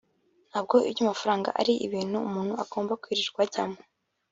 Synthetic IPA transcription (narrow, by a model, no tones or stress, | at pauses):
n̥haːb̚ɡo̞ʔḭbɟamafaɾaːŋɡa̰ʔa̰ɾiʔḭβiːn̥huːmuːn̥huaɡ̥o̞ːmbakwiːɾiɾɡwaɟamo